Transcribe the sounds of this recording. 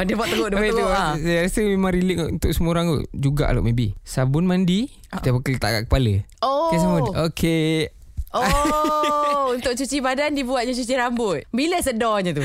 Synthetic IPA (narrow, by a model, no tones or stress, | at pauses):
dibɔʔt̪ːəɡoʔdɾausajaɾasəmemãŋɾiləkṵnt̪ʊk̚səmoɾaŋṵd͡ʒuɡa̰ʔa̰la̰ʔmebḭsabʊnmandi | t̪apəkəlit̪a̰ka̰ʔkə̥paləokes̬mookʰe | o | unt̪ʊk̚t͡ʃut͡ʃibadandibuat̪̚ɲat͡ʃut͡ʃiɾambʊt̪̚biləsədɔɲat̪u